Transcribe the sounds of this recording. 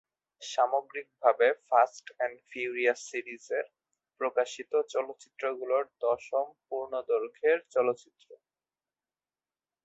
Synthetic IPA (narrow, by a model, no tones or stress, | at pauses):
ʃamoɡɾik̚bʱabefasʈɛnɖfʰiuɾiasiɾizeɾ | pɾokaʃit̪ot͡ɕɔlot̪ːɕi̥t̪ːɾoɡuloɾd̪ɔʃompuɾnod̪oɾkʰeɾt͡ɕɔlot̪ːɕit̪ːɾo